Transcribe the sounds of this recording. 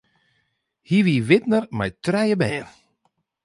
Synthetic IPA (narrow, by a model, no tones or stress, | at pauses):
hiʋiːʋɪtnərmajtrɛjəbɛːr